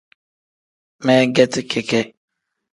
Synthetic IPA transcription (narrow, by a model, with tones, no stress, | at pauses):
me˦ɡɛ˦tɪ˦ke˦ke˦